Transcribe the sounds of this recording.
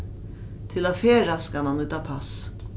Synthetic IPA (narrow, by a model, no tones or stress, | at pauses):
t̪ʰɪlafeːɾaskɑmanʉːt̪apʰas